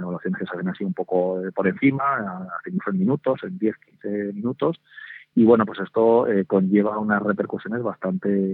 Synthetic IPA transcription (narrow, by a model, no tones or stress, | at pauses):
eβalwaθjo̞ne̞skesaβenasiumpo̞ko̞epo̞ɾe̞nθimaaθenufemĩnut̪o̞se̞nd̪je̞θkin̟θe̞mĩnut̪o̞s | iβwe̞no̞pwe̞se̞st̪o̞eko̞ɲʝe̞β̞aunasre̞pe̞ɾkusjo̞ne̞zβast̪ant̪e̞